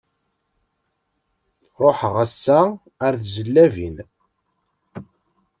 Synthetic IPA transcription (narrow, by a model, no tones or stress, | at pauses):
ɾˤoħəʁæsːæ | æɾθzəlːævin